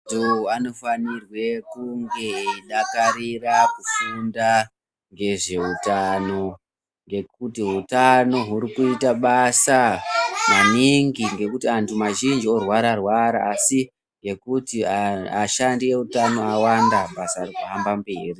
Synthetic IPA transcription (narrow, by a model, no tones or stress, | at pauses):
uano̞fanirwe̞kuŋɡe̞iɗakaɾirakuʃunda | ŋɡe̞ʐe̞utano̞ | ŋɡe̞k̚utiɦutano̞ɦuɾikuitaɓasamaniŋɡiŋɡe̞kutiantʰumaʒind͡ʒio̞rwaɾarwaɾaːsi | ŋɡe̞kutiaʃandije̞utano̞awandaɓasaːrikuɦambambeːri